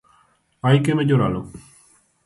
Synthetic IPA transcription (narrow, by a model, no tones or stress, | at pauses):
ajkemeɟoɾalo